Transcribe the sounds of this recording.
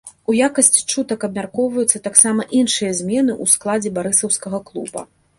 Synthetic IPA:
ujakɐsʲt͡sʲi̥t͡ʂut̪ɐkɐb̚mʲarkɔwvɐjut̪sːɐt̪aksamɐʔinʂɨjɐzʲmʲɛnɨʔusklˠad͡zʲɛbaɾɨsɐwskɐɣɐklˠṵbɐ̰

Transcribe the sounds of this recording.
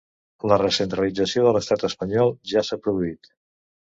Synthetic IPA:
lərəsənt̪ɾəlid͡zəsioðələst̪at̪əspəɲɔlˠʒasapɾuðuit̪

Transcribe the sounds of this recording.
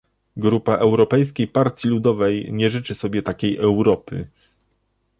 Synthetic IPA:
ɡɾupaʔɛwɾɔpɛjskʲejpaɾt̪ʲjilud̪ɔvɛjɲɛʐɘt͡ʂɘsɔbʲjɛt̪akʲejʔɛwɾɔpɘ̰

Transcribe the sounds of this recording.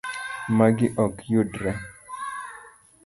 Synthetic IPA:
maɡɪʔɔkjodɾɛ

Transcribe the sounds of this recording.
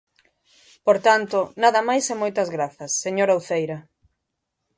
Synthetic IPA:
poɾt̪ant̪ʊnaðɐmajsɛmojt̪ɐzɣɾaθɐsːeɲoɾawθejɾɐ

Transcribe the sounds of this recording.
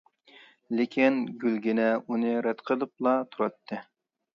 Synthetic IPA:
lɪkʲʰinɡʲylɡʲinɛunɨɾɛt̪qʰəlˠɨp̚lˠɑt̪ʰuɾɑt̪ːɨ

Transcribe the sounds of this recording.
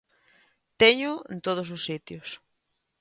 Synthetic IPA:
t̪eɲʊent̪oð̞osʊsːit̪jos

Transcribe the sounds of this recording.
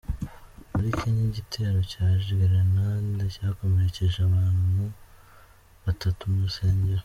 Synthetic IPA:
muɾiciɲiɟitʰe̞ːɾo̞caːʒɡiɾanandacaːko̞me̞ɾece̞ʒeaβaːn̥hu | βatatumuuseːɲɟe̞ɾo

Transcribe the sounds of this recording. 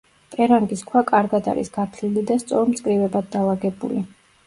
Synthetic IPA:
t̪ʼɛɾaŋɡiskʰwakʼaɾɡad̪a̰ɾḭsɡ̥aɾt̪ʰlilid̪ast̪sʼɔɾmt̪sʼkʼɾivɛbad̪̚d̪alˠaɡɛbṵli

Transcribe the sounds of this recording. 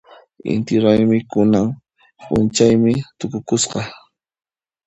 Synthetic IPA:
ɪ̰nt̪ɪɾajmɪkʊnaŋ | pʼʊ̰nt͡ʃajmɪt̪ʊkʊkʊsqɑ

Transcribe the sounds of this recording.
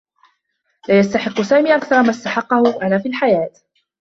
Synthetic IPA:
laːjast̪aħɪqːʊsaːmiːʔakθɑɾˤmast̪aħɑqːɑhʊʔanaːfiːlħajaːt̪

